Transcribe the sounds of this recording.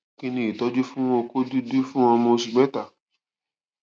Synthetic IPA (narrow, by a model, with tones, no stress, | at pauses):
kĩ˧nĩ˧˨i˨tɔ˦d͡ʒu˦fũ˦w̃ɔ̃˦˧ko˦du˦du˦fũ˦ɔ̃˧mõ˧si˨ɡ͡bɛ˦ta˦˨